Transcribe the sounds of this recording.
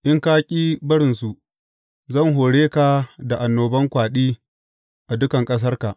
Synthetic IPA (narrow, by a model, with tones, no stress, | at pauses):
ʔɪ˦ŋkaː˦kʲʼiː˦bɐ˦ɽɪ˨nsu˨ʔ | zɐ˦˨ŋɦoː˨ɽeː˦ka˨da˨ʔa˨nːoː˨bɐ˦ŋkʷaː˨ɗiː˦ | ʔa˨dʊ˦kɐ˨ŋkʼɐ˦s̬ɐ˦rka˨ʔ